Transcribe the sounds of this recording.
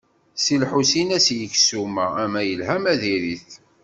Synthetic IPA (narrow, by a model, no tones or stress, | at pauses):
silħusinæsjəksumææmæjəlɦæmæðiɾiθ